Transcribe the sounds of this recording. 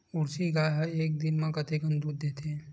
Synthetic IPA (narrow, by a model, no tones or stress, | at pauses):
ʊɾsiɡaːjɦɐeːk̚d̪ɪnmãkɐt̪ekə̃nd̪uːd̪ːeːt̪e